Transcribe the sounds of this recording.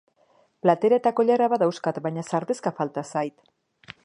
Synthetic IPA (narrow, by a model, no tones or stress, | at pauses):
plat̪e̞ɾae̞t̪ako̞ʎaɾaβaðawskat̪βajɲasaɾt̪eskafalt̪asajt̪